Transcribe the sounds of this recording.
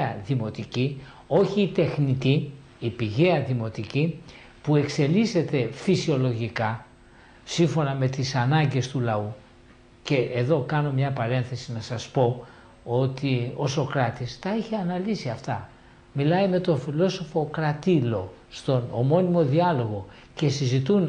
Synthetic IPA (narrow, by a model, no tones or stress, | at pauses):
ɐðimo̞t̪ici | o̞çiːt̪e̞xnit̪i | ipiʝe̞ɐðimo̞t̪ici | pue̞kse̞lise̞t̪e̞fisio̞lo̞ʝikɐ | siɱfo̞nɐme̞t̪isɐnɐɲɟe̞st̪ulɐu | ce̞ʔeðo̞kɐno̞mɲɐpɐɾe̞nθe̞sinɐsɐspo̞ | o̞t̪io̞so̞kɾɐt̪ist̪ɐiçeɐnɐlisiɐft̪ɐ | milɐjme̞t̪o̞filo̞so̞fo̞kɾɐt̪ilo̞ | st̪o̞nomo̞nimo̞ðiɐlo̞ɣo̞ | ce̞sizit̪un